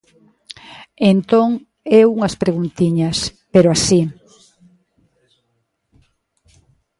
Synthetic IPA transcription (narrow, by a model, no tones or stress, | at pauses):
ent̪oŋ | ɛuŋɐspɾeɣunt̪iɲɐspeɾoasi